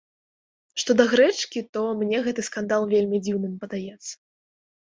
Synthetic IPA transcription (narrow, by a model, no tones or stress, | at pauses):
ʂt̪ɔd̪ɐɣɾɛt͡ʂkʲit̪ɔmnʲɛɣɛt̪ɨskand̪alˠvʲelʲmʲid͡zʲiwnɨmpɐd̪ajɛt̪sːɐ̥